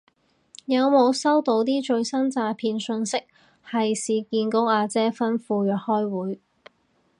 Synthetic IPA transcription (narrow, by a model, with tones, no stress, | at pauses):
jɐ˨˧wmo˨˧wsɐ˥wt̪o˨˥wt̪iː˥t͡ʃɵ˧ɥsɐ˥nt͡saː˧pʰiː˧nsɵ˧nsɪ˥k̚ | hɐ˨jsiː˨˧kiː˧nkʊ˥aː˧t͡sɛː˥fɐ˥nfuː˧jœː˨k̚hɔː˥jwuː˨˥j